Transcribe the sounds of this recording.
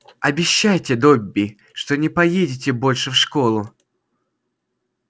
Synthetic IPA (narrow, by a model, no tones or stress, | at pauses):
ɐbʲɪɕːajtʲɪd̪obʲːɪ | ʂt̪onʲɪpɐjedʲɪt̬ʲɪbo̞lʲʂɨfʂkolˠʊ